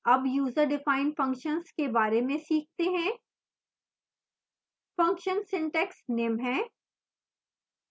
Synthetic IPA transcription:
ɐbjuːzəɾɖɪfaːɪ̃nfɐ̃ŋkʃənskebaːɾemẽsiːk̚ʰt̪eɦɛ̃ː | fɐ̃ŋkʃənsɪ̃ɳʈɛːksnɪ̃mbʱɦɛ̃ː

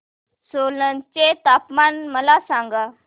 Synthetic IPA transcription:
solənt͡ɕet̪apmanməlasãŋɡa

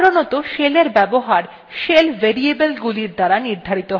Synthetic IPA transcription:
ɾonɔt̪oʃeleɾbɛboɦaɾ | ʃelveɾiebelɡuliɾd̪aɾaniɾd̪ʱaɾit̪oɦ

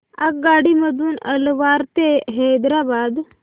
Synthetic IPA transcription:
akɡaɽiməd̪ʱuːnə̰lʋaɾt̪eɦɛd̪ɾabad̪

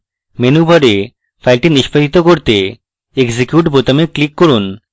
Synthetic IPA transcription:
menubʱaɾe | fʰajlʈiniʃpaɦit̪okoɾt̪e | eɡsikjuʈbot̪ameklikːoɾun

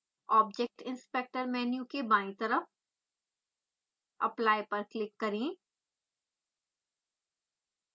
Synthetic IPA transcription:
ɔːb̚d͡ʒek̚ʈɪ̃nspeːk̚ʈəɾmɛːnjukebaːĩt̪ɐɾəf | ɐ̰plaːjpɐɾklɪkːɐɾĩ

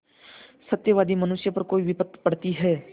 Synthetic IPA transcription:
sət̪jəʋaːd̪imənʊsjəpəɾkoːiʋɪpət̪ːpəɽ̤t̪iɦɛː

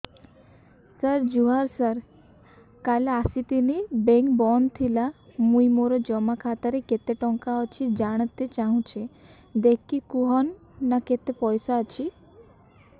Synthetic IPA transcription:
səɾd͡ʒuɦaɾsəɾ | kaleasit̪inibeŋkbɔnt̪ʰilamujmoɾɔd͡ʒɔmakʰat̪aɾeket̪eʈɔŋkaɔt͡ʃʰid͡ʒaɽ̃ət̪et͡ʃaɦũt͡ʃʰe | d̪ekːikuɦɔnː | aket̪epɔjsaːt͡ʃʰi

